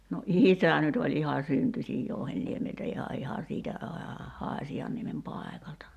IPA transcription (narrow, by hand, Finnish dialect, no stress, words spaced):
no ʔiˑsæ nyt olʲ ihɑ syntysʲij jouhenːiemeltæ ihɑ ihɑ siːtæ ɑː hɑːsʲiɑnːiemem pɑˑekɑltɑ